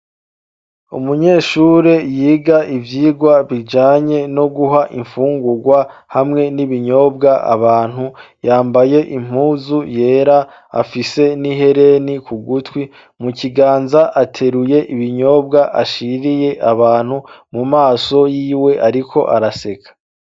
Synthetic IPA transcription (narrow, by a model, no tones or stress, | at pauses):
ṵmuɲe̞ːʃuːɾe̞jiːɡaʔivjiːɡwaβid͡ʒaːɲe̞no̞ɡuɦaʔiɱfuːŋɡuɾɡwahamŋe̞niβiɲo̞ːb̚ɡaa̰βaːn̥hujaːmbaje̞ʔim̥huːzuje̞ːɾa | a̰fise̞niɦe̞ɾe̞nikʰuɡutwi | muciɡaːnzaʔatʰe̞ɾuje̞ʔiβiɲo̞ːbɡaʔa̰ʃiɾije̞ʔaβaːn̥humumaːso̞jiːwe̞ʔaɾikʰo̞̰ʔaɾase̞kʰḁ